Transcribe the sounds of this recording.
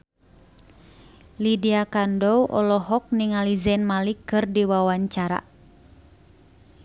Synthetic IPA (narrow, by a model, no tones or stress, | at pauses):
lidiakandɔwʔɔ̰lɔɦɔk̚niŋalizɛnmalikɨrdiwawaɲt͡ʃaɾa̰